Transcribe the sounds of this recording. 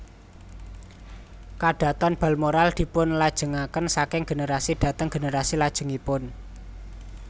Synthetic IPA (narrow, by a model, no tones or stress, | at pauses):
kaɖ̥ä̤t̪ɔnb̥a̤lmoɾald̪̥i̤pʊnlad̥ʒ̥ə̤ŋakənsakɪŋɡ̥e̤neɾasid̥ä̤t̪əŋɡ̥eneɾasilad̥ʒ̥ə̤ŋipʊn